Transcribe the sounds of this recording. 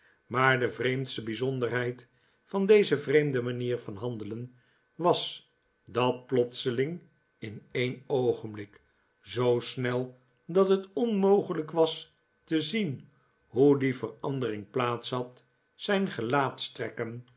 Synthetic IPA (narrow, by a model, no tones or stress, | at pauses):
maːɹdəvrejmtstəbizɔndərɦɛjt | fɑndejzəvrejmdəmaniːʁfɑnɦɑndələn | ʋɑs | dɑt̚plɔtsəlɪŋ | ɪnejnowχənblɪk | zowsnɛlˠ | dɑtɦətɔnmowχələkʋɑs | təzin | ɦudifərɑ̰ndərɪŋplaːtsɦɑt | sɛjnχəlaːtstrɛkən